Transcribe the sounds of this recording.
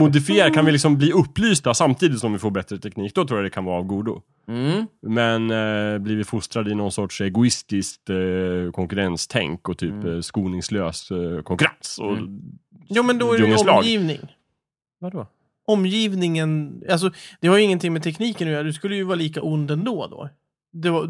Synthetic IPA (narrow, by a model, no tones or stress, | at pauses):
mʊd̪ɪfɪeːɾakʰanvɪlɪks̬ɔmbliːɵpːlyːst̪asamt̪ʰiːd̪ɪt̪sɔmvɪfoːɾbɛt̪ɾət̪ʰɛkniːk̚d̪ɔt̪ʰɾuːjad̪ɛkʰanvɑːɾavɡuːd̪ʊ̰ | mɛnbliːvɪfʊst̪ɾad̪ɪnɔnsɔʈʂɛɡʊɪst̪ɪskt̪kʰɔŋkɵɾɛnst̪ʰɛ̰ŋkɔt̪ʰyːpskuːnɪŋsløːskʰɔŋkɵɾa̰nsɔ | jɑːmɛnd̪ɔæslɑːɡiːvnɪ̰ŋ | vad̪ɔ | ɔmːjiːvnɪŋənals̬ɔd̪̥ɛhaɾjʏɪŋːənt̪ɪŋmɛt̪ʰɛkniːkənʉːd̪ɛskɵlːəjɵvɑːliːkaʔʊnd̪ɛnd̪oːd̪o̰ː | d̪ɛva